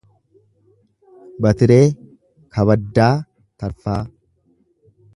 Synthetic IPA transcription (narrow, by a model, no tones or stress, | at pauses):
bɐt̪ɪɾe̞ː | kɐbɐd̪ːaː | t̪ɐɾfaː